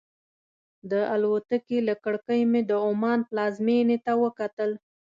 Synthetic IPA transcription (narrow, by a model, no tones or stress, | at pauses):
d̪əʔalwot̪əkelakəɽkəjmed̪əʊmɑnplɑzmenet̪awəkat̪əl